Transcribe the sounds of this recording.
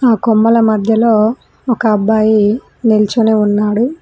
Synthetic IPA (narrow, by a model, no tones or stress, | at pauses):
aːkomːɐlɐmɐd̪ʱjɐlo̞ː | ɔkɐːbːaːji | nilt͡ʃuneːunːaːɽu